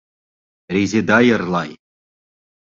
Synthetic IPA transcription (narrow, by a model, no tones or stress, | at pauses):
rʲezʲed̪ɑjɤ̆rlˠɑj